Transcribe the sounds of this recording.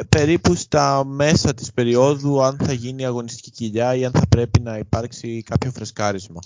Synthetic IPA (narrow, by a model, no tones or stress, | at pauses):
pe̞ɾipust̪ɐme̞sɐt̪i̥spe̞ɾio̞ðuɐnθɐʝiniɐɣo̞nist̪i̥ciciʎɐiɐnθɐpɾe̞pinɐipɐɾksikɐpço̞fɾe̞skɐɾizmɐ